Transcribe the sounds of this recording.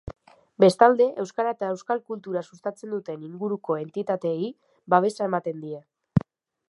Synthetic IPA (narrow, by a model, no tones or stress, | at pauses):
be̞st̪ald̪e̞ʔe̞wskaɾaet̪ae̞wskalkult̪uɾasust̪at͡se̞nd̪ut̪e̞niŋɡuɾuko̞e̞nt̪it̪at̪e̞i | baβ̞e̞sae̞mat̪e̞nd̪ie